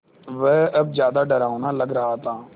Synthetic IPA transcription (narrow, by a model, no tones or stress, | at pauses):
ʋɛːɐb̚d͡ʒjaːd̪aɖəɾaːonalɐɡɾɐɦaːt̪ãː